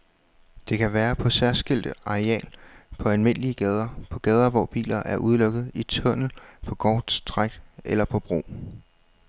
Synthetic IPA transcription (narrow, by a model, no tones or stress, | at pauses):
d̥e̝kʰæʋæːɐpʰɒ̽sæɐsɡ̥el̰d̥əɑ̈eɛ̰ːlpʰɒ̽ælme̝n̰əliəɡ̥ɛːð̞ˠɐpʰɒ̽ɡ̥ɛːð̞ˠɐʋɒ̰b̥ḭːlɐʔæɐʔuð̞ˠlɔ̽ɡ̥ð̩ˠit͡sʰɔ̽n̰l̩pʰɒ̽ɡ̥ɒ̰ːd̥sd̥ʁaɡ̥elɐpʰɒ̽b̥ʁo̝̰ː